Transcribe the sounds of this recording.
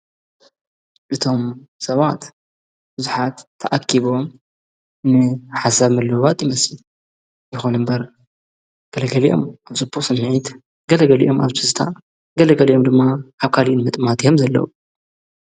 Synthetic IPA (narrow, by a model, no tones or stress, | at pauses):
ʔɨt̪ʰo̞msɐβat̪ | b̥ɨzuħat̪ʰːɐʔakʰːiβo̞m | nɨħasaβmɨlːɨβat̪ʼjɪmɐsɨ | jɪxonɨmbɐɾ | ɡ̥ɐlɐɡɐliʔo̞̰maβt͡sʼɨbːusɨnːʕit̪ | ɡɐlɐɡɐliʔo̞maβt̪ʰɨst̪ʰa̰ | ɡɐlɐɡɐlijo̞md̪ɨmːaʔaβkʰalinmɨt̪ʼmat̪ʰijo̞mzɐlːɐ̰u